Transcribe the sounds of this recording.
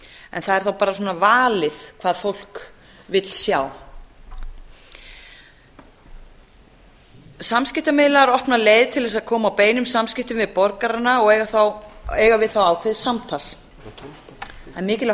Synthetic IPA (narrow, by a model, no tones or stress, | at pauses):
ɛ̰nθaðɛɾθawpaːɾasɔnavaːlɪðkʰv̥aːðfowl̥k | vɪt̪l̥sjaːw | samskcɪht̪amɪðlaɾɔhpnaleːjðt̪ʰɪlvɛsaðkʰɔːmawpeːjnʏmsamscɪht̪ʏmvɪðpɔɾkaɾanːaɔɣɛaθawɛːɣavɪðθawaːwkʰejðsamt̪ʰal̥ | nmɪːcɪl